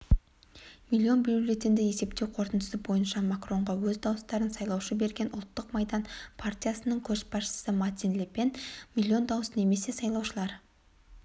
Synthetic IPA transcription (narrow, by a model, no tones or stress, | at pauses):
milʲːio̞nbjuulʲe̞t̪ɪnd̪eje̞se̞p̚t̪e̞wqʰo̞ɾt̪ənd̪əsəbo̞jənʃɑmakro̞ɴʁɑwɵzd̪ɑwəst̪ɑɾənsɑjlˠɑwʃəbe̞ɾɡʲe̞nʔʊlˠt̪ːəqmɑjd̪ɑnpʰart̪ʲijasənəɴkʲʰɵʃbɑʃə̥səmat̪ʲinlʲepe̞nmʲilʲːio̞nd̪ɑwəsne̞me̞se̞sɑjlˠɑwʃəlˠɑɾ